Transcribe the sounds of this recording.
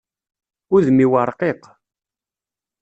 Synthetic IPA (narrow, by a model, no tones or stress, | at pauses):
ʊðmiwɑɾˤqeq